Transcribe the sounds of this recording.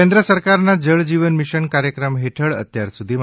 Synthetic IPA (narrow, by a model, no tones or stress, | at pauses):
end̪ɾəsəɾkaɾnad͡ʑəɭd͡ʑiʋənmiʃənkaɾjəkɾəmɦeʈʰəɭə̰t̪jaɾsud̪ʱiːm